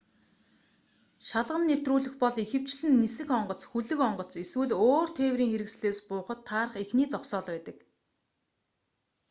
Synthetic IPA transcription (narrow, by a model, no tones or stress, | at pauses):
ʃaɮʁə̆nːew̥t̪ruːɮɘ̆xpɔɮixɘ̆w̥t͡ɕɮɘ̆nːisɘ̆xɔɴɢɞ̆t͡sxuɮɘ̆kɔɴɢɞ̆t͡siswɘ̆ɮoːr̥t̪ʰeːwriːŋxeɾɘ̆ks̆ɮeːspʊːχə̆t̪ʰːaːrχexniːt͡sɔχsɔːɮpæːt̪ə̆k